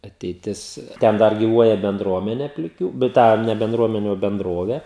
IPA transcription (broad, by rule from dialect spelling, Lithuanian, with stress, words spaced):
ɐtʲɛɪˈtʲɪs ˈtʲɛn ˈdɐr ɡʲɪˈʋuɔjɛ bʲɛnˈdruɔmʲɛnʲeː pʲlʲɪˈkʲuː bʲɛt ˈtɑː nʲɛ bʲɛnˈdruɔmʲɛnʲɪ oː bʲɛnˈdroːʋʲeː